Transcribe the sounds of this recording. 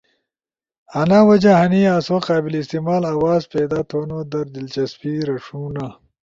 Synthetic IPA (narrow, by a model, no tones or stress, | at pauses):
ɐnawɐd͡ʑaɦɐniaːswaqaːbilist̪imaːlawaːzpeːd̪aːt̪ʰoːnod̪ɐɾd̪ilt͡ʃɐspiɾɐʂuːna